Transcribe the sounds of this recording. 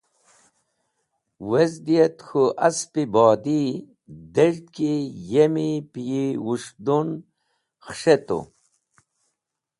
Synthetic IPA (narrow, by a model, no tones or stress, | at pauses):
wezd̪ijet̪xuʔɐspibɔːd̪i | d̪eʐt̪kijemipijiwuʂd̪un | xʂet̪ṵ